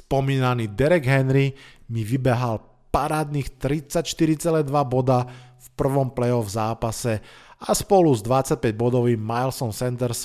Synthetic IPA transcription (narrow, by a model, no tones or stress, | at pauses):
spɔmiːnaniːd̪ɛɾɛɡɦɛnɾimiʋibɛɦal | paɾaːd̪niːxt̪ɾit͡sːacʃt̪iɾit͡sɛlɛd̪ʋabɔd̪afpr̩ʋɔmplɛɔvzaːpasɛaspɔluzd̪ʋat͡sːac̚pɛɟ̚bɔd̪ɔʋimmajlsɔnsɛnt̪ɛɾs